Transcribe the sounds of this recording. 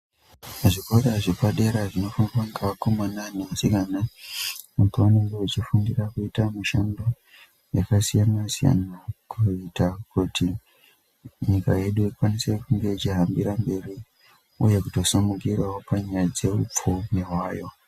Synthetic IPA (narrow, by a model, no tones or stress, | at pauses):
aʐikoɾeʐipaɗe̞ɾaʐino̞fanakaŋɡaakomananeasikanamutuwaneŋɡeut͡ʃifundirakuitamuʃando̞ | jakasijanasija̰nakʰuitakuti | ɲikaje̞ɗuikwanise̞kuŋɡe̞it͡ʃiɦambiɾambe̞ri | uje̞kuto̞samukiraopaɲajad͡ze̞up͡fumiɦwaːjo̞